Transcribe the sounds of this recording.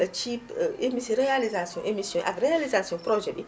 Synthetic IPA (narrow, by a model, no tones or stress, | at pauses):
t͡ʃipemisiɾealizasiɔ̃ʔemisjɔ̃ʔa̰kɾealizasiɔ̃pɾɔd͡ʒɛbi